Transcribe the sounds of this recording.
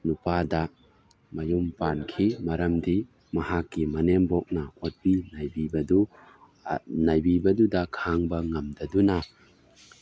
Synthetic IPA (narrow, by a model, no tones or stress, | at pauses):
nupadɐ | mɐjumpankʰimɐɾɐmdi | mɐhakːimɐnembok̚nɐot̚pinajbibɐdu | najbibɐdudɐkʰaŋbɐŋɐmdɐdunɐ